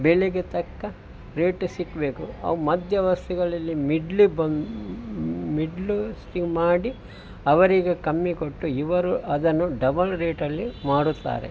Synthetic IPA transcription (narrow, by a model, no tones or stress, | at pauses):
bɛɭeɡet̪ɐkːɐ | ɾeːʈsikːɐbe̞ːkuɐ̰ʋumɐd̪ʱjɐʋɐst̪uɡɐɭɐlːimiɖlibɐn | miɖlusʈimaːɽi | ɐʋɐɾiɡekɐmːikoʈːuiʋɐɾuʔɐd̪ɐnːuɖɐbɐlɾeːʈɐlːimaːɽut̪ːa̰ːɾḛ